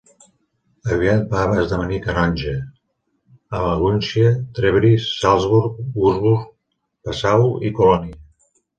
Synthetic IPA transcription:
əβiat̪paβəzðəβənikənɔnʲʒə | əβəɣunsiət̪ɾeβɾisːalˠzβuɾkuzβuɾk̚ | pəsawikulɔniə

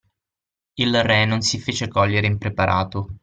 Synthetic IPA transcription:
ilrɛnonsifeːt͡ʃekɔʎːeɾeimpɾepaɾʔa̰ːt̪o

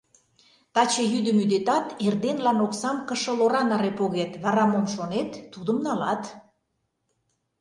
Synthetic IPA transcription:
t̪ɑt͡ɕejyd̪əmyd̪et̪ɑt̪erd̪enlɑnoksɑmkəʃə̆loɾɑnɑɾepoɣet̪βɑɾɑmomʃonet̪ːud̪əmnɑlɑt̪

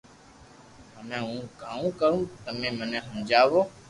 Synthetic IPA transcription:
ɦəmẽːũːkaːũːkəɾũːt̪əmẽːmənɛ̃ːɦəmd͡ʒaːʋoː

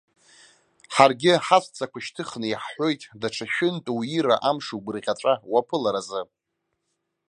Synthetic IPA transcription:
ħarɡʲɪħasʷt͡sʰʼakʷʰaʃtʰɨχnɨjħħo̞jtʼdaʈ͡ʂʰaʃᶣɪntʼuwiɾaʔamʂuɡʷɨrʁʲaʈ͡ʂʷʼawapʰɨlaɾazɨ

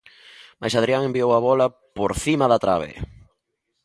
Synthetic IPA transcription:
majsað̞ɾiaŋembiowɐβɔlɐ | poɾθimaðat̪ɾa̰β̞ḛ

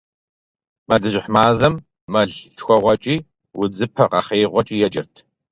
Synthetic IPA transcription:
mɐɮɨʑɪħmaːzɐmː | ɐɮtxʷɔʁʷɐt͡ʃʼiː | wʊd͡zɨpʰɐqɐχeːʁʷɔt͡ʃʼiːjɛd͡ʒʼɪ̰rtʰ

